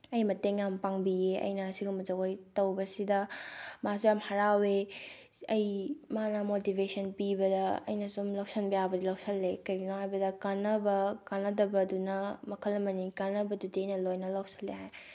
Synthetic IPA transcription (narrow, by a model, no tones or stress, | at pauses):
ɐjmɐteŋampaŋbijeʔɐ̰jnɐːsiɡumzɐɡojtɐwbɐsidɐmasujamhɐɾawe | ɐjmanɐmotibesɐnpibɐdɐɐ̰jnɐsumlɐwsɐnbɐjabɐdilɐwsɐlːekɐɾɡinohajbɐdɐkanɐbɐkanɐdɐbɐdunɐmɐkʰɐlːɐmɐnikanːɐbɐdudiɐjnɐlojnɐlɐwsɐ̥lːeɦaj